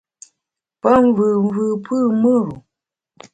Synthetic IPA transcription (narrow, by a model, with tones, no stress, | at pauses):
pə˦ɱ˦vɨ˨ɱ̩˦vɨ˨pʰɨ˦˨mɨ˦ɾu˨